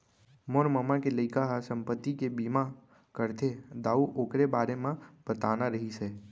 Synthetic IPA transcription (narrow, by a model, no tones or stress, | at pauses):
moɾməmakeləɪkaɦasə̃mpət̪ːikebiːma | kəɾt̪ʰed̪aːuʔoːkɾebaːɾemãb̥ət̪aːnaɾəɦisɛː